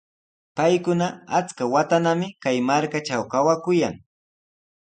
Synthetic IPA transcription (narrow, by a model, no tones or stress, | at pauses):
pajkʊnaat͡skawat̪anamɪkajmaɾkaʈ͡ʂawkawakʊja̰ŋ